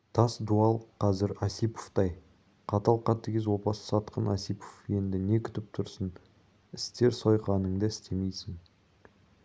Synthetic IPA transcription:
t̪ʰɑsd̪uɑlˠqʰɑzɪɾɑsipo̥ft̪ɑj | qʰɑt̪ɑlˠqɑt̪ːɪɡʲezwo̞pɑsə̥sɑt̪qənɑsijpofje̞nd̪ɪne̞kʲʰʏ̥t̪ɪp̚t̪ʰʊɾsən | ɪst̪e̞ɾso̞jqɑnəɴd̪ɑɪst̪e̞mejsɪŋ

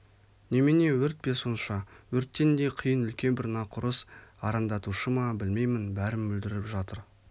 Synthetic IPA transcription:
nemene̞wɵɾt̪̚pe̞sonʃɑwɵɾt̪ːe̞nd̪e̞qʰijənʏlkʲe̞nbɪɾnɑqʰʊɾəsɑɾɑnd̪ɑt̪uʃəmɑbɪlme̞jmɪnbæɾɪmbɵld̪ɪɾɪpʒɑt̪əɾ

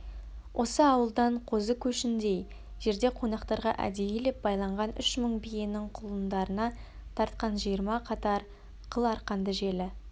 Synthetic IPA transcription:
wʔo̞səɑwəlˠd̪ɑɴqʰo̞zəkʲʰɵʃɪnd̪e̞j | ʒ̥e̞ɾd̪e̞qʰo̞nɑqt̪ɑɾʁɑ̰ʔæ̰d̪e̞jelep̚bɑjlˠɑɴʁɑnʏʃməɴbijɪnɪŋqʰʊlˠənd̪ɑɾənɑ | t̪ʰɑɾt̪qɑnʒijəɾmɑqʰɑt̪ɑɾ | qʰəlˠɑɾqɑnd̪əʒe̞lɪ

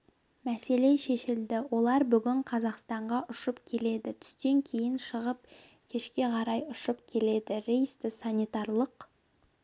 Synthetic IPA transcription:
mæse̞le̞ʃe̞ʃɪld̪ɪwo̞lˠɑɾbʏɡʲɪɴqʰɑzɑqst̪ɑɴʁɑʔʊʃəpkʲʰe̞le̞d̪ɪt̪ʰʏ̥st̪e̞ŋkʲʰe̞jɪnʃəʁəp̚ | kʲʰe̞ʃkʲe̞qʰɑɾɑjʊʃəpkʲʰe̞le̞d̪ɪɾejst̪ɪsɑnʲit̪ɑrlˠəq

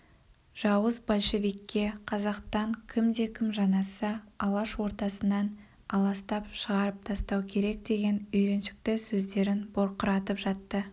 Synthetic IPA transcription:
ʒ̥ɑwəzbɑlʲʃevijkʲːe̞qʰɑzɑqst̪ɑŋkʲʰɪmd̪e̞kʲʰɪmʒɑnɑsəɑlˠɑʃwo̞ɾt̪ɑsənːɑn | ɑlˠɑst̪ɑpʃəʁɑɾəp̚t̪ʰɑst̪ɑwkʲʰe̞ɾe̞k̚d̪e̞ɡʲe̞nʏjɾe̞nʃɪ̥k̚t̪ɪsɵzd̪e̞ɾɪnboɾqəɾɑt̪əpʒ̥ɑt̪ːə

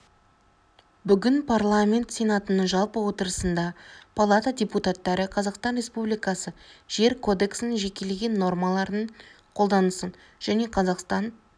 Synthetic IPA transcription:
bʏɡʲɪnpʰarlˠamʲe̞nt̪se̞nɑt̪ənəɴʒɑlˠpəwo̞t̪əɾəsənd̪ɑpʰalˠat̪adʲe̞put̪at̪ːɑɾəqʰɑzɑqst̪ɑnɾʲe̞spublijkɑsəʒ̥e̞ɾkʰo̞d̪e̞ksɪneʒe̞kʲe̞leɡʲe̞nːo̞rmɑlˠɑɾnəɴ | qʰo̞lˠd̪ɑnəsən | ʒ̥æne̞qʰɑzɑqst̪ɑn

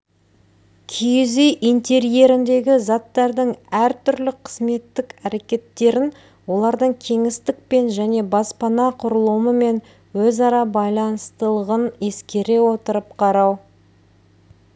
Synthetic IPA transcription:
kʲʰijɪzejʔijnt̪e̞ɾije̞ɾɪnd̪e̞ɡʲɪzɑt̪ːɑɾd̪əɴæɾt̪ʰʏɾlɪqʰə̥zme̞t̪ːɪkæɾe̞kʲe̞t̪ːe̞ɾɪn | wo̞lˠɑɾd̪əɴkʲʰe̞ŋɪst̪ɪk̚pe̞nʒæne̞bɑspɑnɑqʰʊɾəlˠuməme̞n | wɵzɑɾɑbɑjlˠɑnəst̪əlˠəʁəne̞skʲe̞ɾe̞wo̞t̪əɾəp̚qʰɑɾɑw

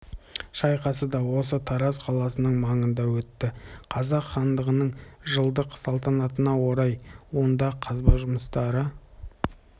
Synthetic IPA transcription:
ʃɑjqɑsəd̪ɑwo̞sət̪ʰɑɾɑzqʰɑlˠɑsənəɴmɑɴənd̪ɑwɵt̪ːɪqʰɑzɑqχɑnd̪əʁənəɴʒəlˠd̪əqsɑlˠt̪ɑnɑt̪ənɑwo̞ɾɑjwo̞nd̪ɑqʰɑzbɑʒʊməst̪ɑɾə

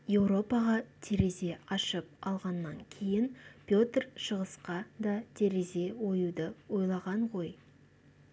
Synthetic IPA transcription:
je̞wɾo̞pɑʁɑt̪ʰe̞ɾe̞ze̞ɑʃəp̚ɑlˠʁɑnːɑŋkʲʰe̞jɪnpʰʲjo̞t̪rʃəʁəsqɑd̪ɑt̪ʰe̞ɾe̞ze̞wo̞jud̪əwo̞jlˠɑʁɑɴʁo̞j

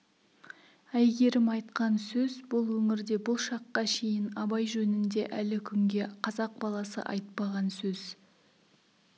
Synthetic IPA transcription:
æjɡʲe̞ɾɪmɑjt̪qɑnsɵzbʊlˠwɵŋɪɾd̪e̞bʊlˠʃɑqːɑʃe̞jɪnɑbɑjʒɵnɪnd̪e̞ʔælɪkʲʰʏŋɡʲe̞qʰɑzɑq̚bɑlˠɑsə̰ʔɑ̰jt̪pɑʁɑnsɵz̥

